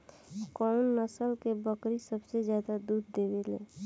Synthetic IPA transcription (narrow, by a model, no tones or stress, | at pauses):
kɔnːəsəlkebəkɾisəbsezjaːd̪ad̪uːd̪ːeːʋelẽː